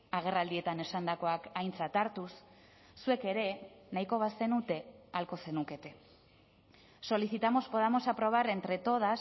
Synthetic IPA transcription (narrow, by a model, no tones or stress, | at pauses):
aɣ̞e̞rald̪ie̞t̪ane̞sand̪ako̞akajnt͡sat̪aɾt̪usː | ue̞ke̞ɾe̞najko̞β̞ase̞nut̪e̞alko̞se̞nuke̞t̪e̞ | so̞liθit̪amo̞spo̞ð̞amo̞sapɾo̞β̞aɾe̞nt̪ɾe̞t̪o̞ð̞as